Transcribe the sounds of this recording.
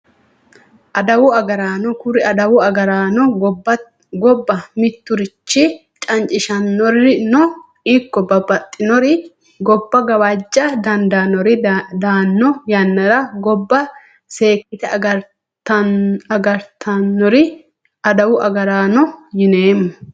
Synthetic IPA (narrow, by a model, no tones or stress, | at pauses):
ʔɐd̪ɐwʊɐɡɐɾaːnɔkʊɾɪɐd̪ɐwʊɐɡɐɾaːnɔ | ɡɔbːɐmɪt̪ːʊɾɪt͡ʃːɪ | t͡ʃʼɐnt͡ʃʼɪʃɐnːɔrːɪnɔ | ikːɔbɐbɐt̪ʼːɪnɔɾɪ | ɡɔbːɐɡɐwad͡ʒʼːɐd̪ɐnd̪anɔɾɪd̪aːnːɔjɐnːɐɾɐɡɔbːɐ | se̞ːkːɪt̪ɛɐ | ɐɐɡɐɾt̪ʰɐnːɔɾɪ | ɐd̪ɐwʊʔɐɡɐɾaːnɔjɪneːmːɔ